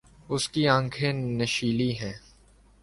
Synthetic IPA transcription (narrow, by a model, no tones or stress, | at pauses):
ʊskiãːŋkʰẽnɐʃiːliɦɛ̃ː